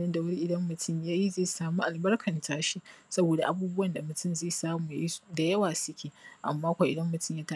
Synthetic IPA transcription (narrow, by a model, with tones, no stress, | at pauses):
nɪ˦nda˨wɐ˦ni˦ʔɪ˨dɐ˦mːʊ˨tʰʊ˦mjaː˦ji˦zeː˦˨saː˨muː˦ʔa˨lbɐ˦rkʰɐ˨ntʰaː˦ʃi˦sɐ˦boː˨da̰˨ʔa˨buː˦bʊ˦wɐ˨nda˨mʊ˨tʰʊ˦mzeː˦˨saː˦muː˨ja˦ji˦da˨jɐ˦waː˨sʊ˦kʲʰeː˨ʔa̰˨mːaː˦kʷa˨ʔɪ̰˨dɐ˦mːʊ˨tʊ˦mjaː˦ta˦